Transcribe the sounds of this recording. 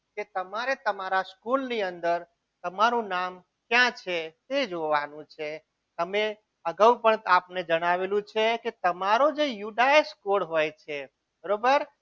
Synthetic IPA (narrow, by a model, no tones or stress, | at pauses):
ket̪əmaɾet̪əmaɾaskulniə̃nd̪əɾ | t̪əmaɾũnam | kjãt͡ʃʰet̪ed͡ʒoʋanũt͡ʃʰe | t̪əme | əɡəupəɳapned͡ʒəɽ̃aʋelũt͡ʃʰeket̪əmaɾod͡ʒejuɖaeskoɽɦojt͡ʃʰe | bəɾobəɾ